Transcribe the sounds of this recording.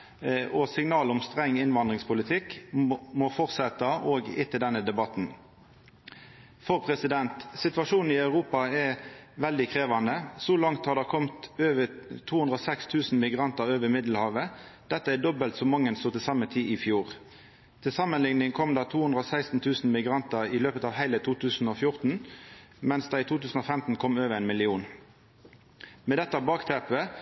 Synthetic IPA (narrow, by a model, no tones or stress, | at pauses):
ʔɔsɪŋnɑːlɔmst̪ʁɛŋːɪnʋɑnd̪ʁɪŋspʊlɪt̪ʰɪkːmɔfɔʁt̪sɛt̪əoːɡɪ̰t̪ɪld̪ɛnːəd̪ɛbɑt̪n | fɔʁpʰʁɛsɪd̪ɛnt̪sɪt̪ʋɑʂuːn̩ɪɑʉʁuːpɑɛʋɛld̪ɪkʰʁeːʋɑnəsɔlɑŋt̪hɑʁd̪ækʰɔmt̪øːʋət̪ʰuːhʉnd̪ʁɔsɛkst̪ʰʉːsn̩mɪɡʁɑnt̪əʁøːʋəmɪd̪l̩hɑːʋəd̪̥ɛt̪ːəɛd̪ɔbəlt̪sɔmɑŋːənst̪uːt̪ɪlsɑmət̪ʰiːɪfjuːʁ | t̪ʰɪlsɑmːənlɪŋnɪŋkʰɔmd̪ɑt̪ʰuːʉnd̪ʁəɔsæɪst̪n̩t̪ʰʉːsn̩mɪɡʁɑnt̪əʁɪløːpət̪ɑːʋhæɪlət̪ʰuːt̪ʰʉːsn̩ɔfjʊʁt̪n̩ | mɛnsd̪ɑɪt̪ʰuːt̪ʰʉːsn̩ɔfɛmt̪n̩kʰɔmøːʋəʁɛɪnmɪlɪuːn | mɛːd̪ɛt̪ːɑbɑːkt̪ʰɛːpə